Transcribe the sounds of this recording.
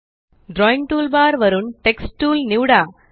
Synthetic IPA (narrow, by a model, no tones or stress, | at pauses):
ɖɾɔːɪŋʈuːlbaːɾʋɐɾɯmʈɛksʈːuːlniʋɽaː